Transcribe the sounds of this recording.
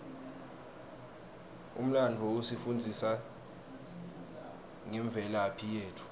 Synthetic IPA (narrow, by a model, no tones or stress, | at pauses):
ṵm̩landʱɔusifund͡zʱisa | ŋɛɱb̪vʱɛlaːpʰijeːtʰu̥